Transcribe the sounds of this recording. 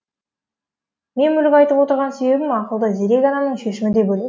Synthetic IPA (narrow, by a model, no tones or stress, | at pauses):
me̞nmʏɾɡʲɑjt̪əpwo̞t̪əɾʁɑnse̞be̞βɪmɑqəlˠd̪əzeɾe̞ɡʲɑnɑmnəɴʃe̞ʃɪmɪd̪e̞bɵle